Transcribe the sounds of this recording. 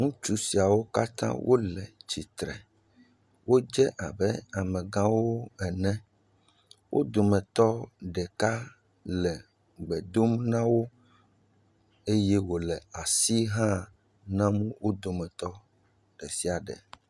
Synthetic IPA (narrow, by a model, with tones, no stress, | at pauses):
ŋũ˦t͡ʃu˦si˨a˨wo˦ka˦t̪ã̰˦wʔo̰˦lɛ˨t͡ʃi˨t̪ɾɛ̰˨ | wo˦d͡ʒɛ˦ʔa˨bɛ˦a˨mɛ̃˨ɡã˦wo˦ɛ˨nɛ̃˦ | wʔo̰˦d̪o˨mɛ̃˨t̪ɔ˦ɖɛ˨ka˦ | lɛ˨ | ɡ͡bɛ˨d̪o˦mnã˦wo˦ | e˦je˦wo˨lɛ˨a˨si˦ɦã˦ | nã˦mũ˦wʔo˦d̪o˨mɛ̃˨t̪ɔ˦ | ɖ̥ɛ˨si˦a˨ɖɛ̰˨